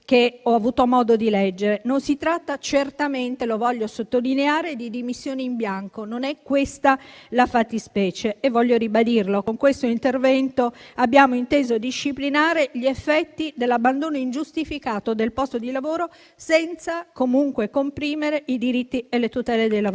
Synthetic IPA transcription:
keɔavuːt̪omɔːd̪od̪ilɛd͡ʒːeɾenonsit̪ɾat̪ːat͡ʃert̪ament̪elovɔʎːosot̪ːolineaːɾed̪id̪imisːjoːniimbjaŋkononɛkːwest̪alafat̪ːispɛːt͡ʃeːvːɔʎːoɾibad̪irlokoŋkwest̪oint̪ervɛnt̪oabːjaːmoint̪eːzod̪iʃːiplinaːɾeʎiefːɛt̪ːid̪elːabːand̪oːnoind͡ʒust̪ifikaːt̪od̪elpɔst̪od̪ilavoːɾo | sɛnt̪sakomuŋkwekompɾiːmeɾeid̪iɾit̪ːielet̪ut̪ɛːled̪elav

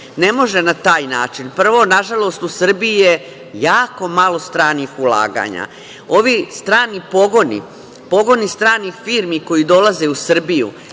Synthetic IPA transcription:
ne̞mo̞ʒe̞nat̪aːjnaːt͡ʃinpr̩ʋo̞naʒalˠo̞st̪usr̩biije | jaːko̞malˠo̞st̪ɾaːnixula̰ːɡa̰ɲa̰ | o̞ʋist̪ɾaːnipo̞ɡonḭ | po̞ɡo̞nist̪ɾaːnixfiːɾmiko̞jid̪o̞laze̞usr̩bijṵ

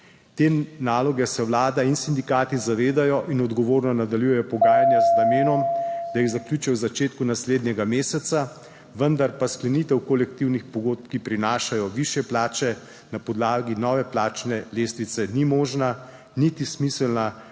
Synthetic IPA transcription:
t̪eːnaːlɔɡɛsɛwlaːd̪ainsind̪ikaːt̪izaʋeːd̪ajɔʔinɔd̪ɡɔʋoːɾnɔnad̪aljujɛjɔpɔɡaːjanjaznameːnɔmd̪̥ajiɣzakljuːt͡ʃɛwzat͡ʃeːt̪kunasleːd̪nʲjɛɡameːsɛt̪sa | ʋənd̪aɾpasklɛnit̪ɛwkɔlɛkt̪iwnixpɔɡoːt̪̚pkipɾinaːʃajɔʋiʃjɛplaːt͡ʃɛ | napɔd̪laːɡinɔːʋɛplaːt͡ʃnɛleːst̪ʋit̪sɛnimɔːʒna | nit̪ismisɛlna

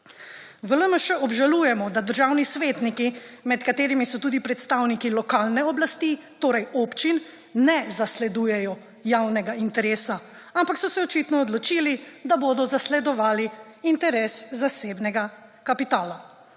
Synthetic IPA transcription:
ʋələməʃɛɔbʒaluːjɛmɔd̪ad̪əɾʒawnisʋeːt̪nikimɛt̪kat̪eːɾimisɔt̪uːd̪ipɾɛt̪st̪awnikilɔkaːlnɛɔblast̪it̪oːɾɛjopt͡ʃinː | ɛzaslɛd̪uːjɛjɔ | jawnɛɡaint̪ɛɾeːsa | ampaksɔsɛɔt͡ʃit̪nɔɔːd̪lɔt͡ʃilid̪aboːd̪ɔzaslɛd̪ɔʋaːliint̪ɛɾeːszaseːbnɛɡa | kapit̪aːla

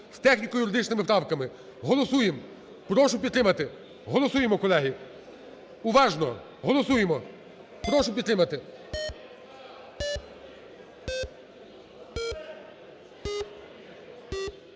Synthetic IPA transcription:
st̪ɛxnʲikɔjʊɾɪd̪ɪt͡ʃnɪmɪptɾɑwkɐmɪ | ɦɔlˠɔsujem | pɾɔʃʊpʲid̪t̪ɾɪmɐt̪ɪ | ɦɔlˠɔsujemɔkɔlˠɛɦi | uʋɑʒnɔ | ɦɔlˠɔsujemɔ | pɾɔʃʊpʲid̪t̪ɾɪmɐt̪ɪ

